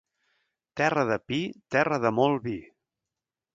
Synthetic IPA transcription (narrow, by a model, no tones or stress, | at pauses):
t̪ɛrəðəpit̪ɛrəðəmolˠβi